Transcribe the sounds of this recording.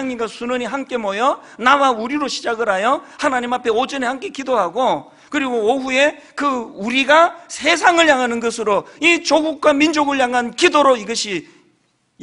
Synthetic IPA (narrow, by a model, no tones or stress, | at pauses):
ŋɲiɡasʰunʌɲiɦamk͈e̞mʌjʌ | nawauɾiɾoɕʰi̥d͡ʑaɡɯɾajʌhanaɲimapʰe̞od͡ʑɯnehamk͈e̞kidoɦaɡo | kɯɾiɡooɸue̞ | kɯuɾiɡasʰe̞s̬ʰaŋɯɭjaŋɦanɯnɡʌsʰɯɾoit͡ɕoɡuk̚k͈wamind͡ʑoɡɯɭjaŋɦankidoɾoiɡʌɕʰi